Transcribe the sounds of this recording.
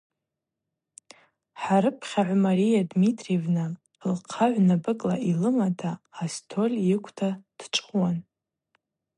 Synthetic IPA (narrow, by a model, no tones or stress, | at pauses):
ħaɾɨpʰχʲaʕʷamaɾijadmitʼrevnɨ | lqʰaʕʷnabɨkʼla̰ʔilɨmatʰaːstʰo̞lʲjɪkʷʰtʰad̥ʈ͡ʂʼχʼwan